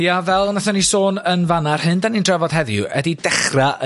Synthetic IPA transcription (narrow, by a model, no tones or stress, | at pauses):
javɛlˠnaθanisoːnənvanarhɨndanindrɛvɔd̥ɦɛðjṵʔɛdidɛχraə